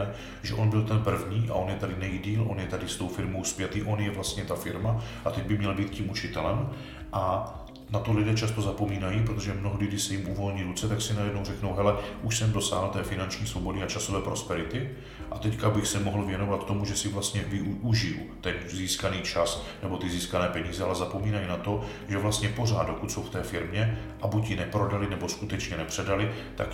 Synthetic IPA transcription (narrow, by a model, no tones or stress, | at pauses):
ɛ | ʒɛ̰ʔo̞nbɪlt̪ɛnpr̩vɲiːʔa̰ʔo̞njɛt̪adɪnɛjidiːlʔo̞njɛt̪adɪst̪o̞wfɪɾmo̞wspjɛt̪iːʔo̞njɛvlast̪ɲɛt̪afɪɾmaʔat̪ɛɟ̚bɪmɲɛlbiːt̪ciːmʔut͡ʃɪt̪ɛlɛm | ʔa | nat̪o̞lɪdɛːt͡ʃast̪o̞zapo̞miːnajipɾot̪o̞ʒɛmnoɦdɪdɪsɛjɪmʔuvo̞lɲiːɾut͡sɛt̪aksɪnajɛdnowrɛkno̞wɦɛlɛʔuʃsɛmdo̞sa̰ːɦl̩t̪ɛːfɪnant͡ʃɲiːsvobo̞dɪat͡ʃaso̞vɛːpɾo̞spɛɾɪt̪ɪ | ʔat̪ɛckabɪxsɛmoɦl̩vjɛno̞vat̪t̪omuʒɛsɪvlast̪ɲɛvɪʔuʒɪjṵt̪ɛnziːskaniːt͡ʃasnɛbo̞t̪ɪziːskanɛːpɛɲiːzɛa̰lɛzapo̞miːnajinat̪o̞ | ʒɛvlast̪ɲɛpo̞r̝aːd̪dokut̪so̞wft̪ɛːfɪɾmɲɛ | ʔabucjɪnɛpɾo̞dalɪnɛbo̞skut̪ɛt͡ʃɲɛnɛpr̥ɛdalɪt̪a̰k